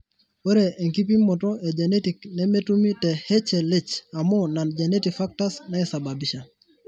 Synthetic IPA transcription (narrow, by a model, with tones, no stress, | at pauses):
wɛ˦ɾe˨ʔːŋki˦p̬i˦mɔ˨tɔe˨d͡ʒene˦tiknɛme˦tumi˦tɛ˨he˦t͡ʃɛ˨le˦t͡ʃa˨mɔna˨nd͡ʒenetikfak̚tasna˦˨sa˨ba˨biʃa˨